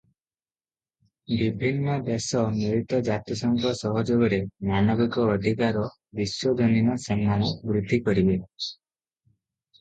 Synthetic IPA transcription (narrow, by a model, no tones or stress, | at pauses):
bibʱinːɔd̪esɔniɾit̪ɔd͡ʒat̪ɔsɔŋkʰɔsɔɦɔd͡ʒoɡɔɾemanɔbikɔːd̪ʱikaɾɔ | bisjɔd̪ʱɔninɔsemːanɔbɾud̪ʱːikɔɾibe